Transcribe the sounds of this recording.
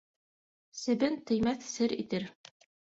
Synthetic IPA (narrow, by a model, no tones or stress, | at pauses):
sɘ̆bɘnt̪ɘ̆jmæθsɘɾḭt̪ɘɾ